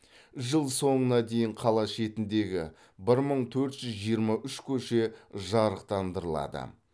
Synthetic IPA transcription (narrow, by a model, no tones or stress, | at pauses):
ʒəlˠso̞ɴənɑd̪e̞jɪɴqʰɑlˠɑʃe̞t̪ɪnd̪e̞ɡʲɪ̰ | bɪɾməɴt̪ʰɵɾt̪ʒ̥ʏzʒijəɾmɑʔʏʃkʲʰɵʃe̞ʒɑɾəq̚t̪ɑnd̪əɾəlˠɑ̰d̪ə̰